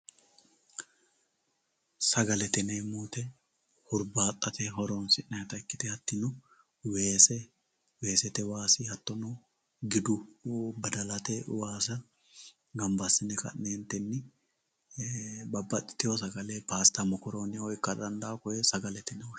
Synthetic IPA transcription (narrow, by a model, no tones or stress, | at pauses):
sɐɡɐlɛt̪ɛnemuːt̪ɛ | hʊɾbaːt̪ʼːɐt̪ɛɦɔɾonsɪnːɐjt̪ɐɪkːɪt̪ɛɐt̪ːɪnʊ | weːsɛ | we̞ːsɛt̪ɛwaːsɪhɐt̪ːɔnɔ | ɡɪd̪ʊbɐd̪ɐlɐt̪ɛwaːsɐ | ɡɐmbɐsːɪnɛkɐ̰nːeːnt̪ɛnːɪ | bɐbːɐt̪ʼːɪ̥t̪ːɪjɔs̬ɐɡɐleːpaːst̪ɐmɔkɔɾoːnɪɔjkːɐd̪ɐnd̪aːkɔjɛsɐɡɐlɛt̪ɛnɛw